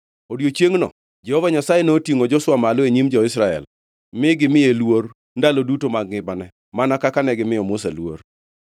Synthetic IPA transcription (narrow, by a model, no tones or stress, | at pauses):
odjot͡ʃjeŋnɔ̰ | d͡ʒɛhɔvaɲasajenotiŋod͡ʒɔswamalɔeɲimd͡ʒɔɪsɾaɛ̰l | mɪɡɪmɪjelwor | ndalodutomaɡɪbanɛ | manakakanɛɡɪmɪjɔmʊsalwo̰r